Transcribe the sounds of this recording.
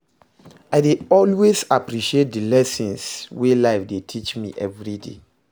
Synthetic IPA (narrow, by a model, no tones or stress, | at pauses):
aɪdeɔlwezapɾiʃiet̚dəlɛsɔ̃nswelaɪfdetʰit͡ʃmḭʔɛvɹidḛ